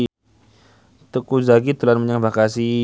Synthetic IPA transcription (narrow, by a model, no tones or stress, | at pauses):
t̪əkuzaɡit̪ulanməɲaŋbakasi